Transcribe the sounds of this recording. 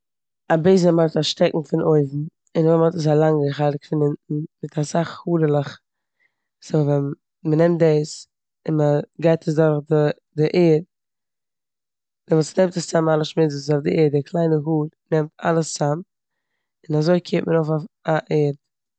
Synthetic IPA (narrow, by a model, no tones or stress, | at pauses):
abeɪznəmaɾtaʃtɛkŋ̩fɪnʔoɪvm̩ | ɪnvɛmhɔtəs̬alˠaŋɡəχaɪlɪkfɪnɪnn̩mɪtʰasaχhuːɾəlˠəχ | sovɛn | mənɛmt̚deɪs | ɪnməɡaɪtʰəs̬dʊɾχdɪ | dɪʔeːɾ | dɪvuːsnɛmtəssamalˠəʃmɪzssofdɪeːɾdɪkʰlˠaɪnəɦuːɾnɛmta̰lˠəsːam | ɪnazoɪkʰeːtməɾoʊfaaʔeːɾt